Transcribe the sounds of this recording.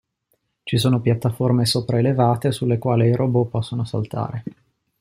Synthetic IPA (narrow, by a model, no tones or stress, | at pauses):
t͡ʃisoːnopjat̪ːaformesopɾaelevaːt̪esulːekwaːleiɾʔobopɔsːonosa̰lt̪a̰ːɾe